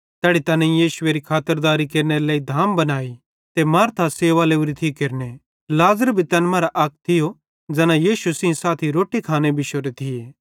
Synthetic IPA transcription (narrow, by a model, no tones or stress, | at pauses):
t̪ɛːɽit̪ɐːnẽijiːʃʊeɾikʰaːt̪əɾd̪aːɾikeːɾneɾeleːid̪ʱaːmbɐnaːi | t̪emaːɾt̪ʰaseːʋaleːuɾit̪ʰikeːɾne | laːzəɾbʱit̪ɛːnmaːɾaʔɐk̚ʰt̪ʰɪjo | d͡ʒɛːnãjiːʃusɪ̃saːt̪ʰiɾoːʈikʰaːnebʱɪʃoɾet̪ʰɪjeː